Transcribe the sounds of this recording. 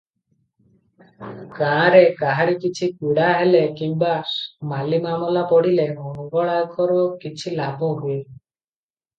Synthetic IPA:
kaːɾekaɦaɾikit͡ʃʰikiɽaɦelekimbamalimamɔlapɔɽileɦɔnɔɡɔɭajkʰɔɾɔkit͡ʃʰilabʱuɦue

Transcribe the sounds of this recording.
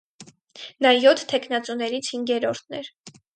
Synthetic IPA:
nɑjɔt̪ʰtʰːɛkʰnɑt͡sunɛɾit͡sʰhiŋɡɛɾɔɾt̪ʰnɛɾ

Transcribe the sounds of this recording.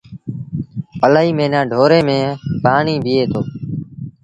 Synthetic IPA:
pəlaːiːmẽːnãːɖʱoːɾeːmẽːpaːɳiːbʱɪeːt̪ʰoː

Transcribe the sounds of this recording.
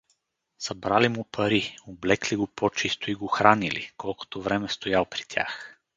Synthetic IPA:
sɐbɾalimʊpʰɐɾioblɛkliɡopʰɔt͡ʃist̪oiɡoxɾanilḭkɔlˠko̥t̪ovɾɛmɛst̪ojalˠpɾi̥t̪ʲʰa̰x

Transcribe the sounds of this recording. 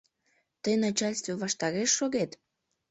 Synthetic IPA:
t̪əjnɑt͡ɕalʲst̪vəβɑʃt̪ɑɾeʃːoɣet̪

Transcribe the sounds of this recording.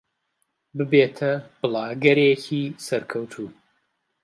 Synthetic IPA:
bɨbeːt̪ʰɐb̥ɨlˠɑːɡɐɾecʰiːsɐɾkʰɐwt̪ʰuː

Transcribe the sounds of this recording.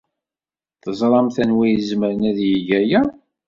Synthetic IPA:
θəzˤɾˤɑmθænwijəzməɾənæðjəʝæjæ

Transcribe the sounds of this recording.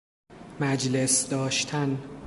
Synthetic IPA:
mæd͡ʒlesd̪ɒːʃt̪ʰæn

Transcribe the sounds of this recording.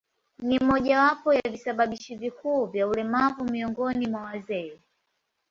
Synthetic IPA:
nimɔʄawapɔjavisaɓaɓiʃivikuːvjaulɛmavumiɔŋɡɔnimwawazɛɛ

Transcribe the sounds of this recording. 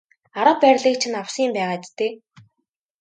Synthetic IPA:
aɾə̆pæːrʲɮiːk̚t͡ɕʰɪ̆nawsiːmpæːʁaːt͡ɕt̪eː

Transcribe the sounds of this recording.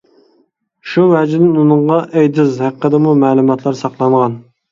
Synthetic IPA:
ʃumɛd͡ʒɪnɪnunɨɴʁɑʔɛjd̪ɪzhæqʰːəd̪əmumɛːlˠumɑt̪ʰlˠɑɾsɑχlˠɑɴʁɑn

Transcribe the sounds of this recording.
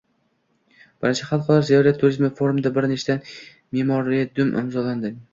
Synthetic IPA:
b̥ɪɾɪnt͡ʃʰaχalˠqʰɒlˠaɾzijɒɾat̪ʰːʊɾizmɪfoɾumd̪abɪɾnet͡ʃt̪an | memɒɾiad̪ʊmʔɪ̰mzɒland̪ɪ

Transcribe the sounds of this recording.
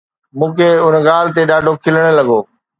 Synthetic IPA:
mũːkʰeʊnɠaːl̤ɪt̪eɗaːɖʱokʰɪləɽ̃ə̆lɐɠoː

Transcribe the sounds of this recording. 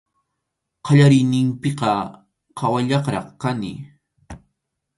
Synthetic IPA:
qɑʎaɾɪjnɪmpɪqɑ | qʰɑwaʎɑχɾɑ̰χkanɪ̰

